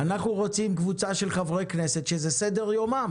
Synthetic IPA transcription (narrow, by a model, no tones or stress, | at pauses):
anaχnuʁo̞t͡simkvut͡saʃe̞lχavʁejkneset̪ʃezesede̞ʁjo̞mam